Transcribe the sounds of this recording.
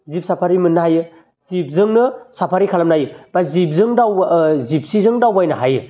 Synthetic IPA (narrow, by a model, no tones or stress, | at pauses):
zip̚sapʰaɾimɯnːajɯ | z̥ip̚zɯŋnɯsapʰaɾikʰalɐmnajɯbazip̚zɯŋdawzip̚sizɯŋdawbajnɐɦajɯ̰